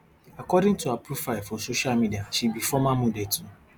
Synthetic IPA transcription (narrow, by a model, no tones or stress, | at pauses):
akɔdɪ̃ŋtʰuapʰɾufaɪfɔsoʃalmidiaʃibifɔmãmũdetʰu